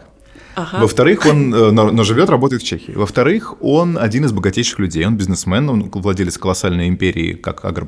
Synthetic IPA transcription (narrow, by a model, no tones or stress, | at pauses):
vəft̪ɐɾɨxo̞nnono̞ʐɨvʲo̞t̪ɾrɐbo̞t̪əjɪt̪fʲt͡ɕexʲɪɪːvəft̪ɐɾɨxo̞nɐdʲinɨzbəɡɐtʲejʃɪ̥xlʲʉdʲejo̞nbʲɪznɨsmɛnonvlˠɐdʲelʲɪt̪sfkəlˠɐsalʲnəjɪmʲpʲeɾʲɪ̰ːka̰kʰa̰ɡr